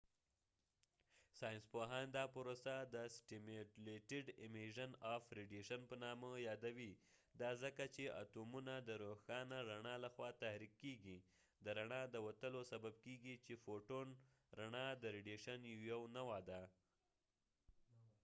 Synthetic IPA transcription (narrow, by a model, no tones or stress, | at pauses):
sɑjɪnspoɦɑnd̪ɑpəɾosad̪əsʈɪmeleʈɪɖɪmeʒanɑfɾɪɖeʃanpənɑməjɑd̪awi | d̪ɑzəkat͡ʃeʔa̰t̪omunad̪əɾoxɑnaɾaɳɑlaxwɑt̪ahɾikːeɡi | d̪əɾaɳɑd̪əwat̪əlosabab̚keɡit͡ʃefoʈon | ɾaɳɑd̪əɾɪɖeʃanjjawnawad̪a